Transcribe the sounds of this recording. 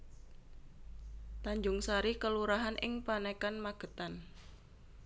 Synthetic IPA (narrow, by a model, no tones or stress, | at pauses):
t̪aɲd͡ʒʊŋsaɾikəluɾaɦanʔɪ̰ŋpanekanmaɡ̥ə̤t̪an